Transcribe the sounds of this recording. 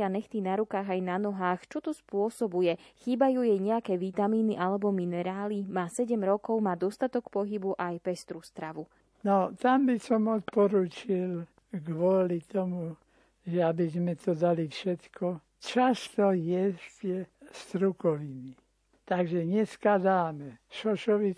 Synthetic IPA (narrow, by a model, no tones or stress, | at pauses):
anɛxt̪inaɾukaːɣajnanɔɦaːxt͡ʃɔt̪ɔspʊɔsɔbujɛxiːbajuːjɛjɲɛakɛːʋit̪amiːniʔalɛbɔminɛɾaːlimaːsɛɟɛmɾɔkɔʊmaːd̪ɔst̪at̪ɔkpɔɦibuʔajpɛst̪ɾust̪ɾaʋu | nɔt̪ambisɔmɔt̪̚pɔɾuːt͡ʃil | ɡʋʊɔlit̪ɔmu | ʒɛabizmɛt̪ɔd̪alifʃɛt̪kʰɔ | t͡ʃast̪ɔjɛzcɛst̪ɾukɔʋiːmi | t̪aɡʒɛɲɛskad̪aːmɛʃɔʃɔʋi